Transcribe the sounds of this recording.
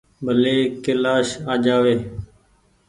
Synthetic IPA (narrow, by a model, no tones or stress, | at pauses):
bʱəleːkɪlaːʃaːd͡ʒaːʋeː